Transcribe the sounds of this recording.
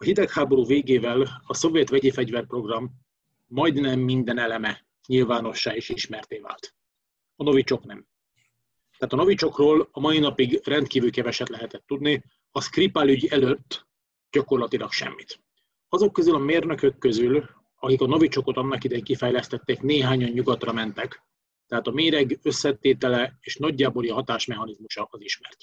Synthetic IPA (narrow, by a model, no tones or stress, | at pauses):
ɒɦid̪ɛkhaːbo̞ɾuːveːɡeːvɛlɒso̞vjɛt̪ʋɛɟeːfɛɟvɛrpro̞ɡrɒmː | ɒjd̪nɛmːind̪ɛnɛlɛmɛ | ɲilvaːno̞ʃːaːeːʃiʃmɛrt̪eːva̰ːlt̪ | ɒno̞vit͡ʃo̞knɛm | t̪ɛaːt̪ɒno̞vit͡ʃo̞kroːlɒmɒinɒpiɡrɛnt̪̚kiːvylkɛvɛʃɛt̪lɛɦɛt̪ɛt̪ːud̪ni | ɒskripalyɟɛløt̪ː | ɟ̥ɒko̞rlɒt̪ilɒkʃɛ̰mːit̪ | ɒzo̞kːøzylɒmeːrnø̞kø̞kːøzyl | ɒkikɒno̞vit͡ʃo̞ko̞t̪ɒnːɒkid̪ɛiŋkifɛjlɛst̪ɛt̪ːeːkneːɦaːɲɒɲɲuɡɒt̪rɒmɛnt̪ɛk | t̪ɛɦaːt̪ɒmeːɾɛɡø̞sːɛt̪eːt̪ɛlɛeːʃnɒɟːaːboːliɦɒt̪aːʃmɛɦɒnizmuʃɒɒziʃmɛrt̪